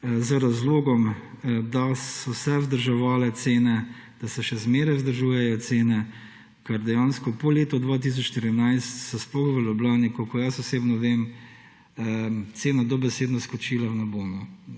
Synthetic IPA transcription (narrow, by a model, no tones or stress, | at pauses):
zɾazloːɡɔm | d̪asɔsɛwzd̪əɾʒɛʋaːlɛt̪seːnɛ | d̪̥asɛʃɛzmeːɾajwzd̪əɾʒuːjɛjɔt̪seːnɛ | kaɾd̪ɛjaːnskɔpɔleːt̪ɔd̪ʋaːt̪̬is̬ɔt͡ʃʃt̪iɾinajst̪sɔsplɔxʋəlɔblaːnikɔkɔjasɔseːbnɔʋeːm | t̪seːnad̪ɔbɛseːd̪nɔskɔt͡ʃilawnabonu